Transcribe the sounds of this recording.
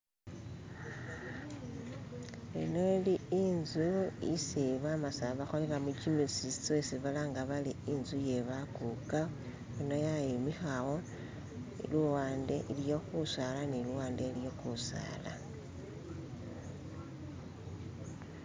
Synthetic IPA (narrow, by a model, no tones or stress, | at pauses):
enoliinzuḭsiβamasaβaxolelamucimisisit͡sosiβalaŋɡaβaliinzuje̞βakuka | onojajimixawo̞ | ḭluwaːnde̞ʔiljo̞xusalaniluwaːndeljo̞kusa̰ːla̰